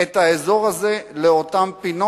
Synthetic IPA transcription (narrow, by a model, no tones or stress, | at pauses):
et̪haezo̞ʁaze̞leotampino